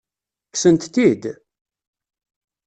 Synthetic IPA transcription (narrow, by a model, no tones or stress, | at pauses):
ksənt̪t̪id̪